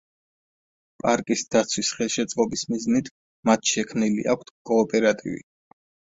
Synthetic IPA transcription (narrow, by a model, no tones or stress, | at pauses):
pʼaɾkʼisd̪̥at̪sʰwisχɛlˠʃɛt̪sʼqʼɔbismiznit̪ʰ | mat̪ʰʃɛkʰmnilḭʔa̰kʷʰt̪ʰkʼɔːpʼɛɾat̪ʼḭvḭ